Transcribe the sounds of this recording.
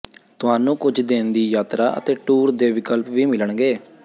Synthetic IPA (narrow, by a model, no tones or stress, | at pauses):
t̪ʊɦaːnũːkʊd͡ʒd̪eːnd̪iːjaːt̪ɾaːʔə̰t̪eːʈuːɾd̪eːʋɪkəlpʋiːmɪləɳɡeː